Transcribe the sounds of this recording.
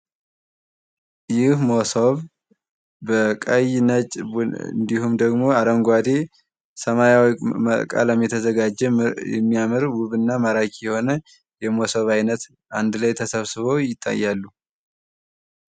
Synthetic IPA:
jɪhmosoβ | bəkʼəjnət͡ʃʼɨ̰nd̪ihumd̪əɡmo̞aɾəŋɡʷad̪e̞ | səmajawməkʼa̰ləmːit̪ʰəzəɡad͡ʒɛjɛ̰mːijamɨɾwuβɨnːaməɾakʰʼjɛho̞nə | jɛmosoβajnət̪ | and̪lajt̪ʰəsəβsɨβowjɪt̪ʼːa̰jːalːu

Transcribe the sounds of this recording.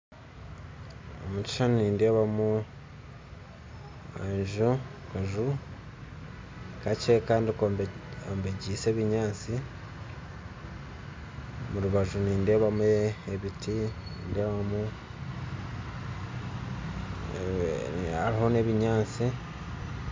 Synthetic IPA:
o̰mut͡ʃi̥ʃanniːnde̞ːβamu | ḛʒukaʒu | kace̞kaːndikoombe̞ɟiːse̞ːβiɲaːt͡si | muɾuβaʒuniːnde̞ːβamueβitiiːnde̞ːβamu | aɾiɦo̞ne̞ːβiɲaːt͡si

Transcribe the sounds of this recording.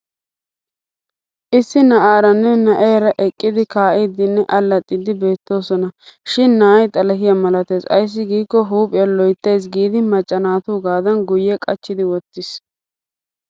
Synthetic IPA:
ʔɪsːɪnɐʔaːɾɐnːɛnɐʔeːɾɐʔɛkʼːɪd̪ɪkaːʔɪd̪ɪnːɛʔɐlːɐt̪ʼːɪd̪ɪbe̞ːt̪ːo̞ːsɔnɐʃɪnːaːjt̪ʼɐlɐhɪjɐmɐlɐt̪eːsɐ̰js̬ːɪɡiːkːɔɦuːpʼɪjɐlɔjt̪ːe̞js̬ɡiːd̪ɪmɐt͡ʃʼːɐnaːt̪uːɡaːd̪ɐnɡʊjɛkʼɐt͡ʃːɪd̪ɪwɔt̪ːɪs

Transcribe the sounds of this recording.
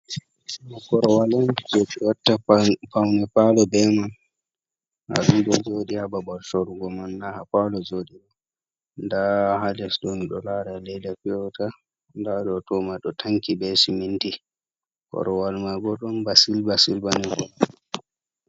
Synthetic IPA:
nakɔɾɔwaland͡ʒoɗiwatːapawnɛpalɔbɛman | ha̰ɗudɔd͡ʒoːɗihababɔlʃɔɾuɡɔmanːahapalɔd͡ʒoɗiɗɔ | ndahadɛsɗɔniɗɔlaɾalɛjdapiɔta | ndaɗɔtɔːmaɗɔtʰaŋkibɛsiminti | kɔ̰ɾɔwalmaɡɔɗɔnbasilbasilbanikɔla

